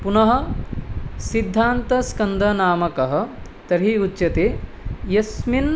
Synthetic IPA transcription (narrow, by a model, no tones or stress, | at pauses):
punɐɦɐ̆ | sid̪ʱːaːnt̪ɐskɐnd̪ʱɐnaːmɐkɐɦɐ̆ | t̪ɐɾɦiutːt͡ʃɐt̪e | jɐsmin